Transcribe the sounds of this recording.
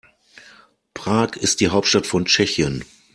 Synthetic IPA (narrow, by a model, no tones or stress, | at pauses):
pʁ̥aːkʰɪst̚d̥iːɦaʊp̚tʃtatfɔnt͡ʃɛçən